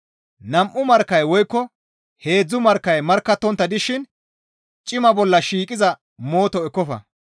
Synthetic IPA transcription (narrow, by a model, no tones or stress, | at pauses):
nɐmʔʊmɐɾkːɐjwɔjkːɔ | he̞ːd͡zːʊmɐɾkːɐjmɐɾkːɐt̪ːɔnt̪ːɐd̪ɪʃɪn | t͡ʃʼɪmɐbɔlːɐʃiːkʼɪzɐ | mo̞ːt̪ɔɛkːɔfɐ̰